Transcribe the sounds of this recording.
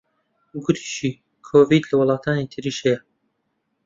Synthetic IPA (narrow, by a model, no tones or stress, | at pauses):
ɡʊt̪ʰi̥ːʃiː | kʰoːviːd̪lɐwlˠɑːt̪ʰaːnit̪ʰɨɾiːʃhejɛ